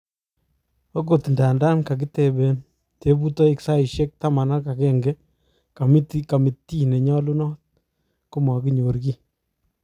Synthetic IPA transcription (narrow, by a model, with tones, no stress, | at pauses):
o˦ɡo˨tnda˨nda˦nka˨k̬i˦tɛ˨bɛ˨n | te˨˦bu˦tɔ˦ɪ˨ksa˦ɪ˨ʃɛ˦k̚ta˦ma˨na˦ka˨kɛ˦ŋɡɛ˦ | ka˨m˦tka˨mi˨tːi˦ne˨ɲɔ˦lu˦nɔ˦t̚ | ku˦ma˨ki˦ɲo˨ɾki˦